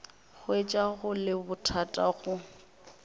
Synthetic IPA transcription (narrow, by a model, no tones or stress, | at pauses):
ɣʊet͡ʃʼaɣʊlɪbʊtʰatʼaɣʊ